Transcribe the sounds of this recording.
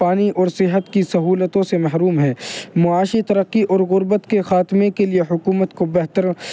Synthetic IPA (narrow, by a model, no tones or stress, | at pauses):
paːniʔɔːɾsɪɦət̪kisɐɦuːlət̪õsemɐɦɾuːmɦɛːmʊaːʃit̪ɐɾəqːiʔɔːɾɣʊɾbət̪kexaːt̪mẽkelieɦʊkuːmət̪kobɛɦt̪əɾ